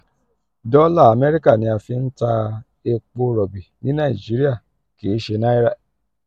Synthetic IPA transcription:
dɔ˦la˦˨a˨me˦ɾi˦ka˦˨nĩ˨˧a˨fi˧n̩˦ta˧ | e˧k͡po˧˦ɾɔ˨bi˨nĩ˦nã˦˨i˨d͡ʒi˦ɾi˦a˦˨ | ke˨˦ʃe˧na˦i˦ɾa˦˨

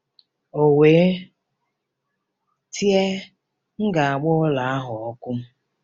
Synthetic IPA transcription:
o˨weː˨˦ | tʰje˦ | ŋ̩˦ɡa˨a˨ɡ͡bʊ˦la˨a˦ɦʊ˨ɔ˦kʊ˦m̩˦

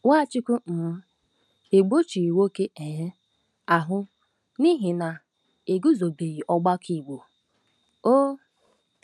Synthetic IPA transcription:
wʷa˦˨t͡ʃi˦ku˦n̩˨m̩˦ | e˨ɡ͡bo˦t͡ʃi˨i˨wo˦ke˦e˨ɦe˦ | a˨ɦʊ˦ | ni˦ɦi˨na˨ | e˨ɡu˦zo˨be˨ɣi˨ʔɔ˦ɡ͡ba˦kʰi˨ɡ͡bo˨ | o˦

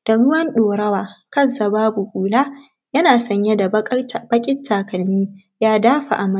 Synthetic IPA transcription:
d̥a˨ɽʊ˦wɐ˦nɗoː˨ɾɐ˦waː˨kɐ˦˨nsa˨baː˦bu˨kʷʼuː˨laː˦ | jɐ˦naː˨sɐ˨ɲje˦da˨˦˨b̥ɐ˦kʲʼɪ˦tʰːaː˨kɐ˨lmiː˦ | jaː˦daː˦ɸa̰˨ʔa˨mɐ˦˨

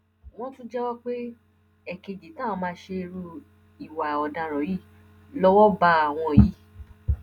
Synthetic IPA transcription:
w̃ɔ̃˦tũ˦d͡ʒɛ˦wɔ˦k͡pe˦ | ɛ˨ke˧d͡ʒi˨tãː˦˧mãː˧˦ʃe˧ɾu˧ | i˨wa˨ɔ˨dã˧ɾɔ˨˦ji˦˨ | lɔ˦wɔ˦ba˦a˨w̃ɔ̃˧˨ji˨˦

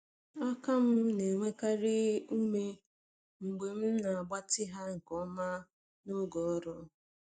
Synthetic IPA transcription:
a˦ka˦m̩˦ne˨ŋʷe˦ka˦ɾɪ˦u˦me˦ | ŋ͡m̩˨ɡ͡be˨m̩˦na˨a˨ɡ͡ba˦tɪ˦ɦa˦ŋ̩˨kɔ˦ma˦ | nʊ˦ɡɔ˨ɔ˦ɾɔ˦

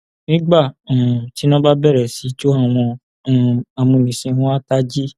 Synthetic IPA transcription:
nĩ˦ɡ͡bã˦˨ti˦nã˦ba˦bɛ˦˨ɾɛ˨si˨˦t͡ʃo˦a˦˨w̃ɔ̃˧˨ | a˨mũ˧nĩ˨sĩ˧hũ˦a˦ta˦d͡ʒi˦

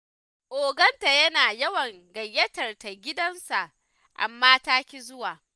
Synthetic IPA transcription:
ʔoː˨ɡɐ˦nta˨jɐ˦naː˨jɐ˦wɐ˨ŋɡɐ˨jːɐ˦tɐ˨rta˨ɡʲɪ˦dɐ˦nsa˨ʔ | ʔa̰˨mːaː˦taː˦kʲi˦zʊ˦waː˨

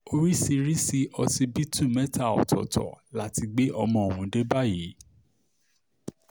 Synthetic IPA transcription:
o˧ɾi˦si˧ɾi˦si˧ʔɔ˧si˧bi˦tũ˦˨mɛ̃˦ta˦˨ɔ̰˨tʰɔ̰˨tʰɔ̰˨la˦˨ti˧ɡ͡be˦ʔɔ˧mɔ̃˧˨o˨w̃ũ˨˦de˦ba˦ji˨˦

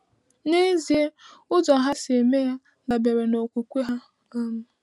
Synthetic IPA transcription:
ne˦zi˨e˦ʊ˦zɔ˨ɦa˦se˨me˦ja˦ | da˨be˨ɾe˨no˨kʷu˨kʷe˦ɦa˦ | a˦m̩˦

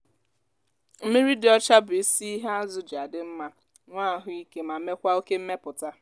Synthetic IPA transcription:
m̩˦me˦ɾi˦dɪ˨˦ɔ˦t͡ʃa˦bʊ˨i˦si˦i˦ɦa˦a˦zʊ˨d͡ʒa˨dɪ˨m̩˦ma˦ | ŋʷa˦˨ɦʊ˦i˦ke˦ma˨me˦kʷa˦o˦ke˦m̩˦me˦pʊ˨ta˦

